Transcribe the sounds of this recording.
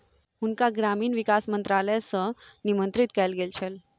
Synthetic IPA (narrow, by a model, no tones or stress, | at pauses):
hunkaɡɾamiːnʋikasmənt̪ɾaləjsənimənt̪ɾit̪kɛlɡelt͡ɕʰel